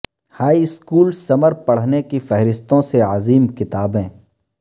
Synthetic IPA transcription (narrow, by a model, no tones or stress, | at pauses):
haːiɪskuːlsɐməɾpɐɽ̤nekifɛɦɾɪst̪õseaziːmkɪt̪aːbẽː